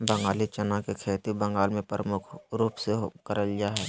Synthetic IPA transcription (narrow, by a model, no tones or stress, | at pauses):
bə̃ŋɡaːlit͡ʃənakekʰeːt̪ibə̃ŋɡaːlmẽpɾəmʊkʰɾuːpseɦkəɾəljaɦɛː